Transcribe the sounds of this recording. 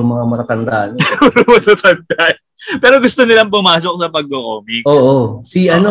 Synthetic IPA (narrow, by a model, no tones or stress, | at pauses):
ʊŋmɐŋamɐt̪at̪ɐnd̪aʔɐnɾɐmɐt̪at̪ɐnd̪aʔ | pɛːɾo̞ɡʊst̪onɪlamp̬ʊmaːs̬o̞k̚sɐpɐɡ̚koʔoːmikʔoːʔosiʔɐno